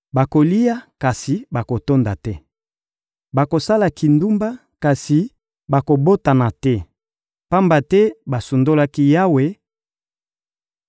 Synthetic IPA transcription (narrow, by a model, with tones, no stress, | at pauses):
ba˨ko˨li˦ja˦ka˨si˨ba˨ko˨to˦nda˨tɛ˦ | ba˨ko˨sa˦la˨ki˨ndu˦mba˦ | ka˨si˨ | ba˨ko˨bo˦ta˨na˨tɛ˦ | pa˦mba˨tɛ˦ba˨su˨ndo˦la˦ki˦ja˦we˦